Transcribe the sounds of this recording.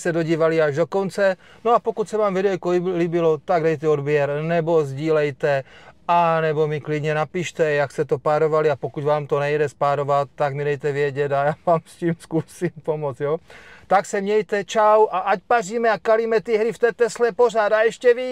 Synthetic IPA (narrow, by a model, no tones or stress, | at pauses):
sɛdoɟiːʋaliaʒdokɔnt͡sɛ | noapokucsɛʋaːmvidɛɛkoliːbilot̪aɡdɛjt̪ɛod̪bjɛɾnɛbozɟiːlɛjt̪ɛanɛbomiklid̪ɲɛnapiːʃt̪ɛjakst̪ɛt̪opaɾoʋaliapokuɟvaːmt̪onɛjdɛspaɾoʋat̪ːaɡmidɛjt̪ɛʋɪɛɟɛd̪ajaːvaːmsciːmskusiːmpomɔd͡z̪jot̪aksɛmɲɛjt̪ɛt͡ʃawʔaʔacpariːmɛakalimɛt̪iɦɾift̪ɛːt̪ɛslɛporad̪aɛʃcɛʋi